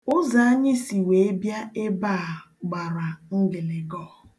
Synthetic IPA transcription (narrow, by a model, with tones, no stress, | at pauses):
ʊ˦za˨a˦ɲɪ˦si˨we˨e˦bja˦e˦ba˦˨ | ɡ͡ba˨ɾa˨ŋ̩˦ɡɪ˨lɪ˨ɡɔ˦˨